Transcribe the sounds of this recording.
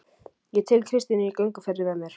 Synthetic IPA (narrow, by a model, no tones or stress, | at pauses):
jɛt̪ʰɪlʰfɪst̪ɪnʏicœɥŋkʏfɛrɪðamɛɾ̥